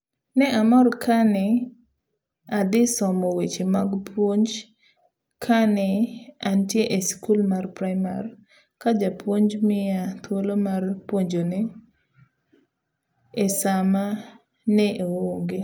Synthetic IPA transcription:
nɛʔamɔɾkʰanɪ | ad̪ɪsɔmɔwet͡ʃemaɡpʰwoɲd͡ʒ | kʰanɪantjeʔeskulmarpɾajma̰r | kad͡ʒapwoɲd͡ʒmɪat̪wolomarpwoɲd͡ʒone | esama | nɛʔewoŋɡe

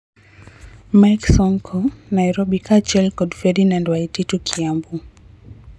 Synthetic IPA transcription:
maksɔŋkʰɔnajɾɔɓikʰat͡ʃɛlkɔdfɛɾinandwaititukʰiambu

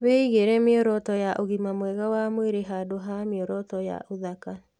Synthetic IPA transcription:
βɛiɣeɾɛmeɔɾɔtɔjaʔoɣimamwɛɣawamweɾeɦadoɦameɔɾɔtɔja̰ʔoðaka

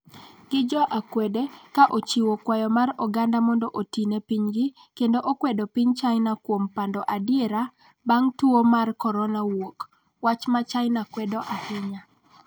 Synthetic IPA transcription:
ɡ̥ɪd͡ʒɔʔakwɛdekaʔot͡ʃiwokwajɔmarɔɡandamɔndɔʔotinepiɲɡɪ | kendoʔokwɛdɔpiɲt͡ʃaɪnakwompandɔʔadɪeɾa | baŋtuomarkɔɾɔnawok | wat͡ʃmat͡ʃaɪnakwɛdɔʔahɪɲa

